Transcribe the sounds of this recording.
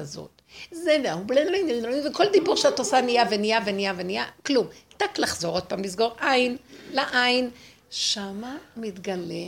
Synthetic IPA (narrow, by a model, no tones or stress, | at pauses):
zo̰t | zeveahublenloineldoniveko̞ld̪ibuʁʃeat̪osanijavenijavenijavenijaklumtaklaχzo̞ʁo̞d̪̚pamblisɡo̞ʁʔainlaʔajin | ʃamamit̪ɡale